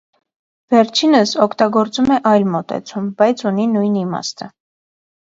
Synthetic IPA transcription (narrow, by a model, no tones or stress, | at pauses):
vɛɾt͡ʃʰinəsɔkʰt̪ɑɡɔɾt͡sumɛʔɑjlmɔt̪ɛ̰t͡sʰumbɑjt͡sʰuninujnimɑ̰st̪ʰə